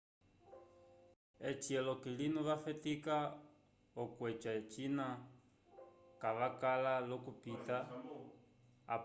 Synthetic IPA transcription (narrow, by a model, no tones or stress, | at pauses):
et͡ʃʰiɛlɔkilinuβafɛtika | ɔkwɛt͡ʃʼat͡ʃʼina | kaβakalalɔkupita